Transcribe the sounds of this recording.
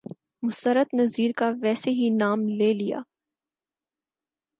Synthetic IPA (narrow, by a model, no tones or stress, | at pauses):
mʊst̪əɾət̪nɐziːɾkaʋɛːseɦinaːmleːlija̰ː